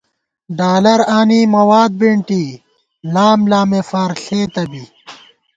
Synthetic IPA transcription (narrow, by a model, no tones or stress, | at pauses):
ɖaːlɐɾaːniːmɐwaːd̪̚biɳʈi | laːmlaːmefaːɾɬeːt̪ɐbi